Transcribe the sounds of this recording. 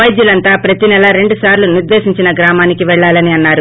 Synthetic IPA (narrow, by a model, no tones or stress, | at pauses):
ɐjd̪julɐnt̪aːpɾɐt̪inɛlɐɾe̞ɳɖusaːɾluniɾd̪e̞ːʃiɲt͡ʃinɐɡɾaːmaːnikiʋɛɭːaːlɐniɐnːaːɾu